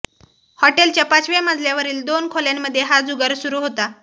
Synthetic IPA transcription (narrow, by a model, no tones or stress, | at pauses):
hɔʈelt͡ɕjapat͡sʋemad͡zʱljaʋəɾiːld̪onkʰoljamːəd̪ʱjeɦad͡zuɡəɾsuɾuɦot̪a